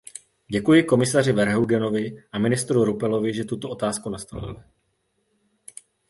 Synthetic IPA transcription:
ɟɛkujɪko̞mɪsar̝ɪvɛɾɦuɡɛno̞vɪʔamɪnɪst̪ɾuɾupɛlo̞vɪʒɛt̪ut̪oʔo̞t̪aːskunast̪o̰lɪ̰lɪ

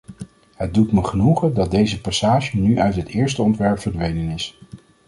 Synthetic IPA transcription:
ɦəd̚dutməχənuχədɑt̚dejzəpɑsaːʒənyʔœɥtɦətɪːɹstəɔntʋɛɹpfəɹdʋejnənɪs

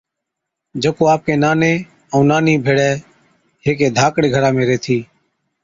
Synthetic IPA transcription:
d͡ʒəkoːaːp̚keːnaːnẽː | əũːnaːnĩːbʱeːɽɛː | ɦeːk̬eːd̪ʱaːkɽeːɡʱəɾaːmẽːɾeːt̪ʰiː

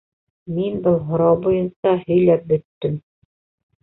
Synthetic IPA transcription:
minbɤlˠɦŏɾɑwbujɤnsɑhɵ̆jlæp̚bɵ̆t̪ːɘm

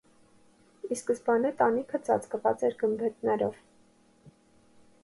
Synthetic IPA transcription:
iskəsbɑnɛt̪ɑnikʰət͡sʰɑ̰t͡skəvɑ̰t͡sɛɾɡəmbɛt̪nɛɾɔv

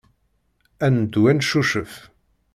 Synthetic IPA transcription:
ænd̪wænʃuʃəf

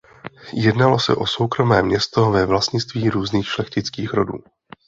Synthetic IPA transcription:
jɛdnalo̞sɛ̰ʔo̞so̞wkɾo̞mɛːmɲɛst̪o̞vɛvlast̪ɲɪt͡st̪viːɾuːzniːxʃlɛxcɪt͡skiːxɾo̞dṵː

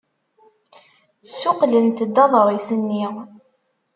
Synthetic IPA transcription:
sʊqlənt̪əd̪ːɑðˤɾˤisənːi

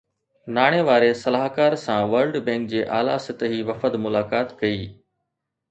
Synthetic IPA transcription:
naːɽ̃eʋaːɾesɐlaːɦkaːɾsãʋəɾlɖbẽːŋk̚d͡ʑeːʔaːla̰sɪt̪əɦiʋɐfəd̪mʊlaːkaːt̪kɐiː

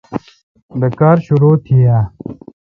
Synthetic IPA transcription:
d̪ɐkaːɾɕuɾoːt̪ʰijaː

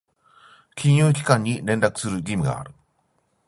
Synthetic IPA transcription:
kʲʰiɲjokʲi̥kaɲːinẽnd̪akɯ̥sɨɾɯɡimiɡa̰ːɾɯ

